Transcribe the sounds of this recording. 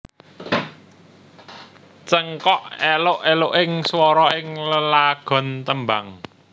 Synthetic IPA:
t͡ʃəŋkɔʔelʊʔelʊʔɪŋswɔɾɔɪŋləlaɡ̥ɔ̤nt̪əmbaŋ

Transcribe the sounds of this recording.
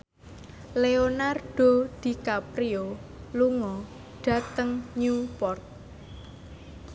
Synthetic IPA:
leonarɖ̥o̤d̪̥i̤kapɾio | luŋɔ | ɖ̥a̤t̪əŋɲupɔrt̪̚

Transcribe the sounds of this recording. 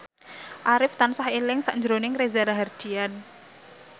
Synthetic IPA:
ʔaɾɪft̪ansahilɪŋsaʔɲd͡ʒɾonɪŋɾezaɾaɦard̥i̤an

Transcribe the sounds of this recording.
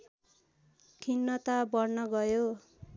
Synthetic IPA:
kʰinːʌt̪abʌrnʌɡʌjo

